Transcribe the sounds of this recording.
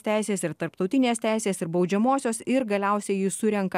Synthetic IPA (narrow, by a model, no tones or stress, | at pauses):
t̪ʲæˑɪsʲeːsɪɾt̪ɐɾpt̪ɒʊt̪ʲɪnʲeːst̪ʲæˑɪsʲeːsɪɾbɒʊd͡ʒʲɛmoɔsʲoːsɪɾɡɐlʲɛˑʊsʲɛɪjiːsʊɾʲɛŋkɐ